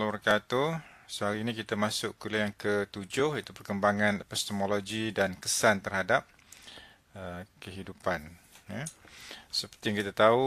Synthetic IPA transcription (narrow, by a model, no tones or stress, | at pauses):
labərkat̪u | səɦaɾiːnĩkit̪amasʊʔkuliaŋkət̪ud͡ʒʊhit̪upərkəmbaŋãnpɛst̪əmoloɡidankəsant̪ərhadap̚ | əkəɦidupan | ja | səpərt̪ijaŋkit̪at̪au